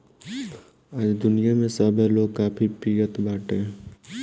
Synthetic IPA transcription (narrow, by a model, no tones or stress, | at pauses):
aːd͡ʒd̪ʊnijamẽsabeloːɡ̚kaːpʰipiːət̪baːʈeɦɛ̃